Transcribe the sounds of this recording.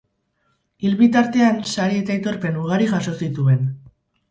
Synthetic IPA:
ilβit̪aɾt̪e̞ansaɾiet̪aet̪o̞ɾpe̞nuɣ̞aɾiʝaso̞sit̪ue̞n

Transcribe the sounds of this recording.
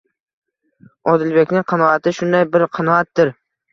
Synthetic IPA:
ɒd̪ɪlbe̞kʲnɪŋqʰɑnɒat̪ʰɪʃʊnd̪ajbɪɾqʰɑnɒat̪̚d̪ɪɾ

